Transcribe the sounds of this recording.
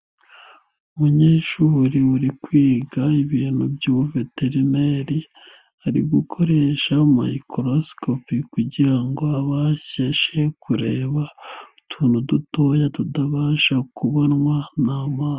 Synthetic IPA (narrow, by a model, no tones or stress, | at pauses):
umuɲeːʃuːɾiuɾikwiːɡaiβiːn̥hubɟuːuve̞teɾimeɾi | aɾḭɡukʰo̞ɾe̞ːʃama̰ikʰoɾoskopikuɟiɾaŋɡo̞aβaçeʃe̞kʰuɾe̞ːβa | tʰuːnuduto̞ːjatudaβaːʃakuβonŋwanamaː